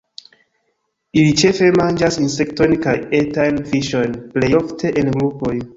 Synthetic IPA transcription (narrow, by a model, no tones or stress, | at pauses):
ilit͡ʃe̞fe̞mand͡ʒasinse̞kto̞jnkajetajnfiʃo̞jnplejoftʰe̞ʔenɡɾupo̞j